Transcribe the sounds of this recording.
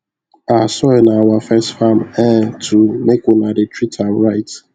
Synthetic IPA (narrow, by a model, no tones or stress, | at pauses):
asɔɪnawafɛstfam̩ɛtʰumekonadɪtɹitʰaɾaɪt